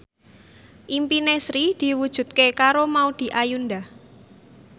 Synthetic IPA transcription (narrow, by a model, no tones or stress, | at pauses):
ʔimpinesɾid̪̥i̤wud̥ʒ̥ṳt̪̚kekaɾomaud̪̥i̤ʔajunda